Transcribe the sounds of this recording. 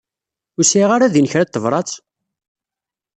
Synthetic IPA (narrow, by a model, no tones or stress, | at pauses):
ʊsiʁaɾaðinəçɾæt̪ːəvɾˤɑt͡s